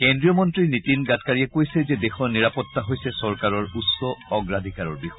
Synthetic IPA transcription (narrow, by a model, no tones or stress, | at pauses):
kɛndɹijɔmɔntɹinitinɡatkaɹijɛkojsɛzɛdexɔniɹapɔt̪ːaɦojsɛsɔɹkaɹɔɹutsɔɔɡɹad̪ʱikaɹɔɹbixɔjj